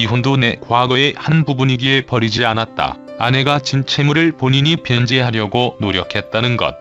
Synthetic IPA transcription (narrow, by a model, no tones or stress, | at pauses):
iɦundonekwaɡʌehanbubuɲiɡiepʌɾid͡ʑianat̚t͈a̰ | a̰ne̞ɡat͡ɕint͡ɕʰe̞muɾɯɭpoɲiɲipjʌnd͡ʑe̞ɦaɾjʌɡonoɾjʌkʰe̞t̚t͈anɯnɡʌ̰t̚